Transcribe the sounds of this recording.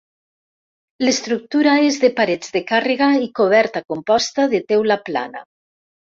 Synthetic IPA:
lest̪ɾuk̚t̪uɾaezðepaɾed͡zðekareɣaikoβ̞ɛɾt̪akompɔst̪aðet̪ewlapla̰na̰

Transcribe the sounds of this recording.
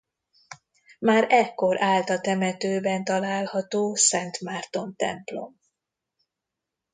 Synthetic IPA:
maːɾɛkːo̞ɾaːlt̪ɒt̪ɛmɛt̪øːbɛnt̪ɒlaːlhɒt̪oːsɛnt̪maːrt̪o̞nt̪ɛ̰mplo̞̰m

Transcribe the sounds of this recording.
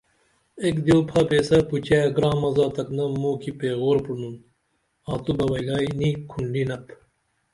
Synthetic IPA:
eːkd̪jowpʰaːpeːsɐput͡ɕaːjɡɾãːmɐzaːt̪ɐknɐmoːkipeːɣoːɾpuɽnun | aːt̪ubɐwɐlaːinikʰuɳɖinɐp

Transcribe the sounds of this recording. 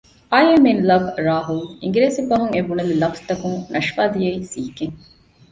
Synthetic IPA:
ʔaːjemenlɐbɾaːɦuliŋɡɾeːsibɐɦuŋebunɐlilɐfst̪ɐkuŋnʔɐʃʋaːd̪ijeisiːkeŋ

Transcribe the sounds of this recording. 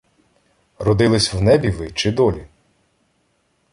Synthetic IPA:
rɔd̪ɪlˠɪsʲwnɛbʲiʋɪt͡ʃɪd̪ɔlʲi

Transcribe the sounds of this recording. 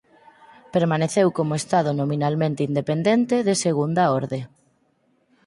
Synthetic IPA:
peɾmaneθewkomoest̪aðonominalmẽnt̪eind̪epend̪ent̪eðeseɣund̪ɐoɾðe

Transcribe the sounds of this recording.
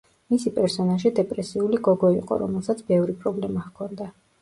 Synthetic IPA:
misipʼɛɾsɔnaʒid̪ɛpʼɾɛsiuliɡɔɡɔiqʼɔ̰ɾɔmɛlˠsat̪sʰbɛvɾipʼɾɔblɛmaχkʰɔnd̪a

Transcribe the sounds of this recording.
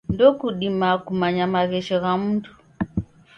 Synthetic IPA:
ndɔkuɗimakumaɲamaɣɛʃɔɣam̩tu

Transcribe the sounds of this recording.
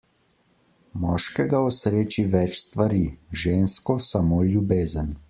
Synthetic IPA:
mɔːʃkɛɡaɔsɾeːt͡ʃiʋɛt͡ʃst̪ʋaɾiʒeːnskɔsamoːljubeːzən

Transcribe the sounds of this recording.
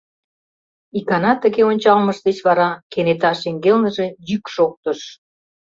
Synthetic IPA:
ikɑnɑt̪əɣeonʲt͡ɕɑlməʃd̪et͡ɕβɑɾɑkenet̪ɑʃeŋɡelnəʒe̽jykʃok̚t̪ə̆ʃ

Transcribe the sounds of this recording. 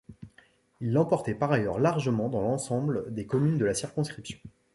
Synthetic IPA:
ilːɑ̃pɔʁt̪ɛpaʁajœʁlaʁʒəmɑ̃d̪ɑ̃lɑ̃sɑ̃bld̪ekɔmynd̪əlasiʁkɔ̃skχipsjɔ̃

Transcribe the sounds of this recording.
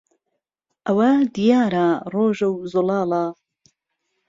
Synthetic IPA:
ʔɐwɐd̪ijaːɾaroːʒɐwzolɑːla

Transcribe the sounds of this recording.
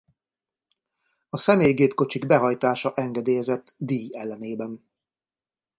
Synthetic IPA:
ɒsɛmeːjɡeːpko̞t͡ʃiɡbɛɦɒjt̪aːʃɒʔɛŋɡɛd̪eːjɛzɛt̪ːd̪iːjɛlːɛneːbɛn

